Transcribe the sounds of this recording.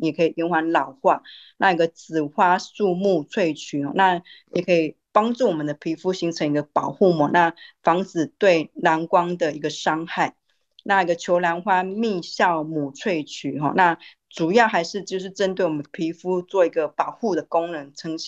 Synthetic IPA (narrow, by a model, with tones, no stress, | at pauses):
jɛ˨˩kʰə˧˥i˨˩ʔi˧˥˦ŋwa˧˥nlɑ˨˩ʊxwa˥˩na˥˧i˧˥ɡə˧t͡sɹ̩˨˩xwa˥su˥˧mu˥˧t͡sʰwe˥˩ɪt͡ɕʰy˨˦hɔ̰˨˩na˥˩jɛ˨˩kʰɤ˧˦˥i˨˩ | pɑ˥ŋʈ͡ʂu˥˩wɔ˨˩mə˨˦nd̪ə˩pʰi˧˥fu˦ɕi˧˥ŋt͡sʰɤ˧˥ŋi˧˥ɡə˧pɑ˨˩ʊxu˥˩mɔ˨˩˦na˥˩fɑ˧˥ŋt͡sɹ̩˨˩t̪we˥˩ɪla˧˥nkwɑ˥ŋd̪ə˨i˧˥ɡə˧ʂɑ˥ŋxa˥˩ɪ | na˥˩i˧˥ɡə˧t͡ɕʰjo˧˥ʊla˧˥nxwa˥mi˥˧ɕjɑ˥˩ʊmu˨˩t͡sʰwe˥˩ɪt͡ɕʰy˨˩˦ɦɔ̰˨˩na˥˩ | t͡su˨˩jɑ˥˩ʊxa˧˥ɪʂɻ̩˥˧t͡ɕjo˥˧ʊʂ̬ɻ̩˥˩ʈ͡ʂə˦nt̪we˥˩ɪwɔ˨˩mə˧˩npʰi˧˥fu˦t͡swɔ˥˩i˧˥ɡə˨pɑ˨˩ʊxu˥˩d̪ə˨ko˥ŋnə˧˦ŋt͡sʰɤ˧˥ŋɕ